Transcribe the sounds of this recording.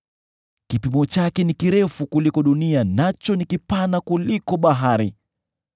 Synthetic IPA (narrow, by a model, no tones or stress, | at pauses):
kipimɔt͡ʃakɛnikiɾɛfukulikɔɗunianat͡ʃɔnikipanakulikɔɓaɦaɾi